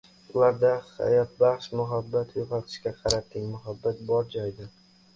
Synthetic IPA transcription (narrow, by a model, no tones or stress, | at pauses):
ʊlaɾd̪aha̰jɒt̪̚bɑχʃmʊɦabːat̪jʊqʰɑt̪ʰɪ̥ʃkʲaqʰɑɾat̪ʰːɪŋmʊɦabːat̪̚bɒɾd͡ʒɒjd̪ɪ